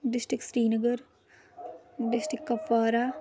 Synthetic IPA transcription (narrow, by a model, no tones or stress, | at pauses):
ɖɪsʈɾɪksɾiːnəɡəɾ | ɖɪsʈɪkːɐpːaːɾaː